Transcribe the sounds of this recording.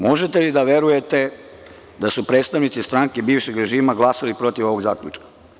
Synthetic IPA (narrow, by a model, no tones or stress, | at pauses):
mo̞ʒet̪elid̪aʋe̞ɾuje̞t̪e̞ | d̪asupɾet̪st̪aʋnit̪sist̪ɾaŋkebiːʋʃe̞ɡɾe̞ʒiːmaɡlˠasalipɾo̞t̪iʋo̞ʋo̞ɡzaːklʲʎʲṵt͡ʃkḁ